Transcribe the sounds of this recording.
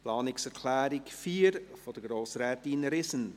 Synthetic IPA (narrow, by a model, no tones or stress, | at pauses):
pʰlɑːnɪksɛɾkʰlæːɾɪkfiːɾfod̥əɡɾoːsɾɛːtinɾɪsən